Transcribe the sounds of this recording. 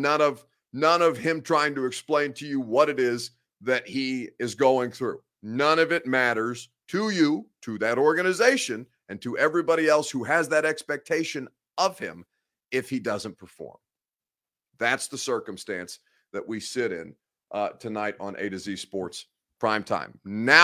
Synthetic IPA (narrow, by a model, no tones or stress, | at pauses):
nʌ̃nʌv | nʌ̃nʌv̥ɪ̃mtʰɹ̥aɪɪ̃ŋtɨɨksplẽɪ̃ntʰɨjɨwʌɾɨɾɪz | ðɨt̚hiɪzɡoʊɪ̃ŋθɹʉ̰ | nʌ̃ñʌvɨt̚mæɾə˞z̥ | tʰɨjɨɾʰɨðɨɾɔɹɡɨnɨzeɪʃɨ̃n | ɨ̃ntʰɨʔɛvɹibɑɾiɛlˠshuɨzðɨɾɛkspɛk̚tʰeɪʃɨ̃n | ʌv̥ɪ̰̃m | ɪfhidʌzə̃npʰə˞fɔ̰ɹm | ðætsðəsɜ˞kə̃m̩stæ̰̃ns | ðɨʔwisɪɾɪ̰̃n | tʰɨnaɪɾn̩ʔḛɪɾɨziz̥spɔɹts | pʰɹ̥ãɪ̃mtʰã̰ɪ̃mna